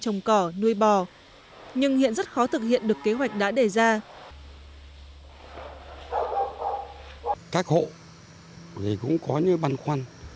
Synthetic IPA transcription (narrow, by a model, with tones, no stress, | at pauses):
t͡ɕə˨˩wŋ͡mkɔː˧˩nu˧əjɓɔ˨˩ | ɲɨ˧ŋhḭ˧˨ənzə˦˥t̚xɔ˨˦t̪ʰɨ˨˩k̚hḭ˧˨ənɗɨ˨˩əkːe˨˦ɦwa˨˩jk̟̚ɗa̰ː˧˥ɗe˧˩zaː˧ | kaː˦˥k̚ho̰˧˨ | ɣi˨˩kʊ̰˧˥ŋ͡mkɔ˨˦ɲɨ˨˧˦ɓa˧nxwa˧n